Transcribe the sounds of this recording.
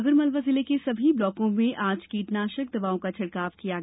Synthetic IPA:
ɡəɾmɐlʋazɪlekesɐbʱiblɔːkõmẽʔaːd͡ʒkiːʈnaːʃək̚d̪ɐbaːõkat͡ʃʰɐɽkaːʋkijaɡ

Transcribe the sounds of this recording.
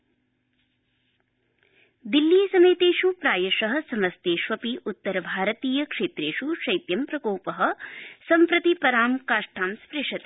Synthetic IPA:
d̪ilːiːsɐmeːt̪eːʃupɾaːjɐʃɐɦɐ̆sɐmɐst̪eːʃʋɐpiʔut̪ːɐɾɐbʱaːɾɐt̪iːjɐkʂeːt̪ɾeːʂuʃɐjt̪jɐmpɾɐkoːpɐɦɐ̆sɐmpɾɐt̪ipɐɾaːmkaːʂʈʰaːmspɾeʂɐt̪i̥

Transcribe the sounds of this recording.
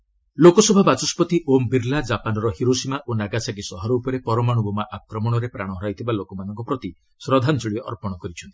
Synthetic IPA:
lokɔsɔbʱabat͡ʃɔspɔt̪iʔombiɾlad͡ʒapanɔɾɔɦiɾosimaʔonaɡasaɡisɔɦɔɾɔupɔɾepɔɾɔmaɽ̃ubʱɔmaʔakɾɔmɔɽ̃ɔɾepɾaɽ̃ɔɦɔɾajt̪ʰibalokɔmanɔŋkɔpɾɔt̪i | sɾɔd̪ʱant͡ʃɔɭieʔɔɾpɔɽ̃ɔkɔɾit͡ʃʰɔnt̪i̥

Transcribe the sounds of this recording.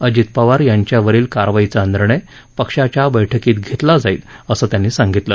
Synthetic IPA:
əd͡ʑit̪̚paʋaɾjaɲt͡ɕjaʋəɾiːlkaɾʋajit͡saənd̪ɾɳe | pəkʂat͡ɕjabəjʈʰəkiːt̪ɡʱet̪lad͡zaiːt̪əsəːt̪janːiːsãŋɡit̪ləː

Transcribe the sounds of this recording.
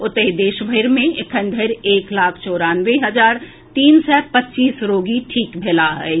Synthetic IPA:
ʊt̪əɦid̪eːʃbʱəɪɾmẽɪkʰə̃nd̪ʱəɾeːklaːkʰt͡ʃɔːɾaːnʋeɦɐd͡ʒaːɾ | t̪iːnsɛːpətːt͡ʃiːsɾoːɡiʈʰiːkbʱeːlaɦɛː

